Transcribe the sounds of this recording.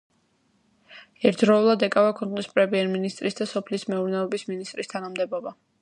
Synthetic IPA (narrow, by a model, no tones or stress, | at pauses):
ɛɾd̪ɾɔulˠad̪ɛkʼavakʰɔnqʼnispʼɾɛmiɛɾminist̪ʼɾisd̪asɔpʰlismɛuɾnɛɔbisminist̪ʼɾist̪ʰanamd̪ɛbɔba